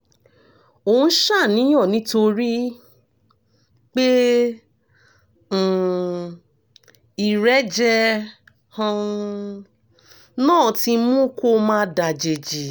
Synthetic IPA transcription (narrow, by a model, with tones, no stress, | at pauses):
o˨ũ˧˦ʃa˦˨nĩ˨˦jɔ̃˦˨nĩ˨˦to˧ɾi˦ | k͡pe˦˨ | i˨ɾɛ˨˦d͡ʒɛ˧ | hã˧ | nãː˦˨ti˧mũ˦ko˦mãː˦da˨d͡ʒe˨d͡ʒi˨